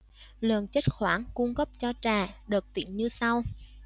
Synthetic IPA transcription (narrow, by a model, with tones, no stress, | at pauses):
lə˨˩nt͡ɕə˦˥t̚xwaː˧˩nku˧ŋ͡mɣə˦˥p̚t͡ɕɔ˧t͡ɕaː˨˩ɗɨ˨˩k̚t̪ḭ˧˩˨ənɲɨ˧sa˧w